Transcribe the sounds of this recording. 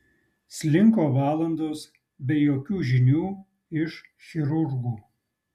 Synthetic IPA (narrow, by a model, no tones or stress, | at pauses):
sʲlʲɪŋkoːʋɑːlˠɐnd̪oːs | bʲɛjoːkʲuːʒʲɪnʲuː | ɪʃxʲɪɾʊɾɡuː